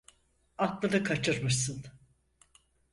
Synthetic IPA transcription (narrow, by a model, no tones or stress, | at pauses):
at̪lˠad̪ɯkʰat͡ʃʰɯɾmɯʃsɯn